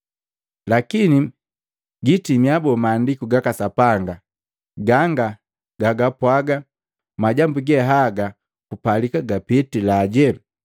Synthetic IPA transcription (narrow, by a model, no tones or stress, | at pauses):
lakini | ɡitimiabɔmaːndikuɡakasapaŋɡa | ɡaŋɡa | ɡaɡapwaɡa | maɟambuɡɛɦaɡa | kupalikaɡapitilaɟɛ